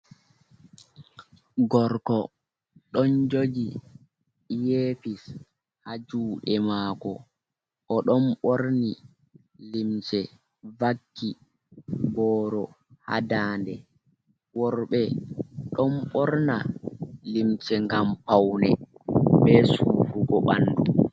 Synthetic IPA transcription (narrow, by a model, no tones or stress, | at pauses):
ɡɔɾkɔ | ɗɔnd͡ʒod͡ʒi | jefis | had͡ʒuːɗɛmaːkɔ | ʔɔɗɔnɓoɾni | limt͡ʃɛ | vakːi | bɔːɾɔ | ha̰daːndɛ | wɔɾɓɛɗɔnɓɔɾnalimt͡ʃɛŋɡampawnɛɓɛsufuɡɔɓa̰nːdu